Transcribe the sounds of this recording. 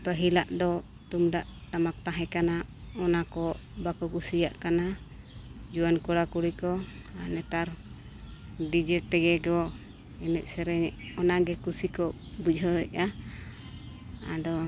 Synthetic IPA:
pəɦilaʔd̪ɔ | t̪umɖaʔʈamak̚t̪aɦɛ̃kanaɔnakɔbakɔkusijaʔkana | d͡ʒuwankɔɽakuɽikɔanɛt̪aɾ | ɖid͡ʒɛt̪ɛɡɛɡɔ | ɛnɛʔ̚ˀsɛɾɛɛʔɔnaɡɛkusikɔ | bud͡ʒʱɔɛʔa | a̰d̪ɔ

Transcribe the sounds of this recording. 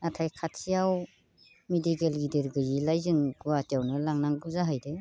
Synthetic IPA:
natʰajkʰatsijaw | medikelɡideɾɡɯjilajzɯŋɡuwatijawnɯlaŋnaŋbɯzaɦajde

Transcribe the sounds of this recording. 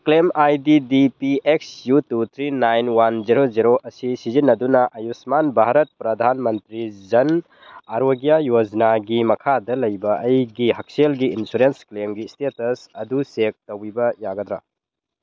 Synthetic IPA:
klemajdidipieksjutut̪ʰɾinajnwand͡ʒiɾoziɾoʔɐsisizinːɐdunɐʔɐjusmanbʱaɾɐt̚pɾɐd̪ʱanmɐntɾid͡ʒɐn | ɐɾoɡijajod͡ʒnaɡimɐkʰadɐlɐjbɐʔɐjɡiɦɐk̚selɡiinsuɾensklemɡistetɐsɐdusek̚tɐwibɐjaɡɐd̪ɾa̰

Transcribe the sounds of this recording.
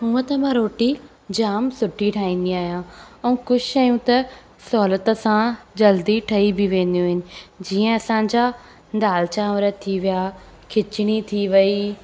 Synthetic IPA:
ɦũːə̃t̪ɐmãɾoːʈi | d͡ʑaːmsʊʈʰiʈʰaːĩːn̆d̪iaːɦijãɛũkʊd͡ʑɪʃɐjũt̪ɐ | sɔːlət̪əsãd͡ʑɐld̪iʈʰɐibɪʋẽːn̆d̪ijũɦɪnɪ̆d͡ʑiːə̃ɐsãːɲ̆d͡ʑa | nd̪aːlt͡ɕaʋɐɾət̪ʰːiʋija | kʰɪt͡ɕɪɽ̃it̪ʰiʋɐi

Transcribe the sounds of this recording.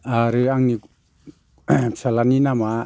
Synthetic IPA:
aɾɯaŋni | salaninama

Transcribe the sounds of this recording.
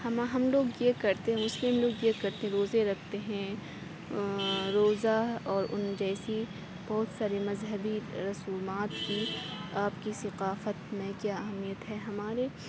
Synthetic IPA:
hɐmaɦɐmloːɡjekɐɾt̪eɦɛ̃ʊslɪ̃ɦɐmloːɡjekɐɾt̪eɦɛ̃ɾoːzeɾɐkʰt̪eɦɛ̃ | ɾoːzaɔːɾʊnd͡ʒɛːsi | b̥ɐɦʊt̪saːɾemɐzɦəbiɾɐsuːmaːt̪kiaːpkisɐqaːfət̪mẽkjaːɐɦmːijət̪ɦɛːɦɐmaːɾe

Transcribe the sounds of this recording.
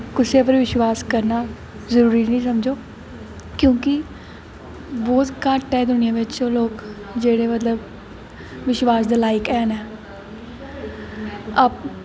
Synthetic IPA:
kʊseːp̬əɾʋɪʃʋaːskəɾnaː | zəɾuːɾiːnĩːsəmd͡ʒoː | kjõːkɪ | bɔːt̪kaːʈːɛːd̪ʊnɪjãːʋɪt͡ʃoːloːk | d͡ʒeːɽeːmət̪ləb | ʋɪʃwaːsd̪aːlaːɪkɛːnɛː | əp

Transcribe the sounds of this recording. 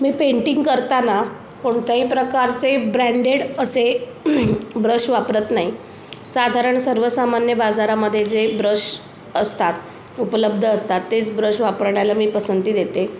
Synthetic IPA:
miːpeɳʈiŋɡkəɾt̪ana | koɳt̪aɦipɾəkaɾt͡sebɾæɳɖeɽəse | bɾəʂʋapɾət̪naɦi | sad̪ʱaɾəɳsəɾʋəsamanjəbad͡zaɾaməd̪ʱːjed͡zebɾəʂ | əst̪at̪ | upələbd̪ʱəːst̪at̪ːet͡sbɾəʂʋapəɾɽjalamiːpəsənt̪iːd̪et̪e

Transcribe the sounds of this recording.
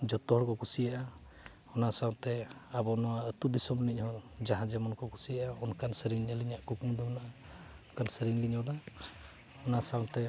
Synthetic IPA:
d͡ʒɔt̪ɔɦɔɾkɔkusijaʔa | ɔnasawnt̪ɛabɔnɔwaət̪ud̪isɔmnic̚hɔɾd͡ʒaɦãd͡ʒɛmɔnkɔkusijaʔaɔnkansəɾiŋɲaliɲaʔkukuŋd̪ɔbnaʔa | ɔnkansəɾiŋliɲɔna | ɔnasawnt̪ɛ

